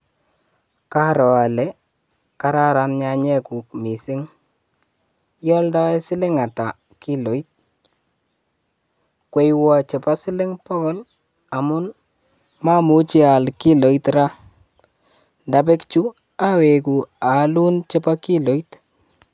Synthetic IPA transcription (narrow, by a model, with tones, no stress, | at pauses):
ka˦ɾɔ˨a˨lɛ˨˦ | ka˦ɾa˦ɾa˨nɲa˨ɲɛ˦ku˨k̚mi˨sɪ˦ŋ | jɔ˦ldɔ˦ɛ˦sɪ˦lɪ˦ŋa˨ta˨ | ki˦lɔ˨˦it̚ | kwe˦jwɔ˨t͡ʃɛ˨pa˦sɪ˦lɪ˦ŋpɔ˦kɔ˦l | a˨mʊ˦n | ma˦mu˨˦t͡ʃi˦a˨lkɪ˦lɔ˨˦itɾa˦ | nda˨be˦kt͡ʃu˦ | a˦we˨ku˨a˨˦lu˦nt͡ʃe˦pa˦ki˦lɔ˨˦it